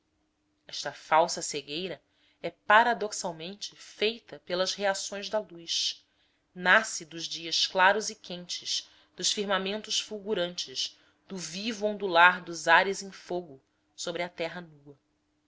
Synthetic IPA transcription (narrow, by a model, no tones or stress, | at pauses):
ɛʃt̪ɐfawsɐseɡejɾɐ | ɛpaɾad̪oksawmẽnt͡ʃɪfejt̪ɐpelɐzheasõj̃zd̪ɐlujʃ | nasɪd̪ʊʒd͡ʒiɐʃklaɾʊzɪkẽnt͡ʃɪʃ | d̪̥ʊʃfiɾmamẽnt̪ʊʃfuwɡuɾɐ̃nt͡ʃɪz | d̪̥ʊvivuõnd̪ulaɾd̪ʊzaɾɪzẽj̃foɡʊ | sobɾɪɐt̪ɛɦɐnuɐ